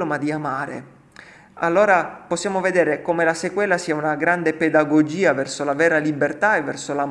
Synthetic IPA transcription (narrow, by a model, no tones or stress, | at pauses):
omad̪iamaːɾḛ | alːoːɾaposːjaːmoved̪ɛːɾekomelasekwɛːlasiaunaɡɾand̪eped̪aɡod͡ʒiːavɛrsolavɛːɾalibert̪aevːɛrsolam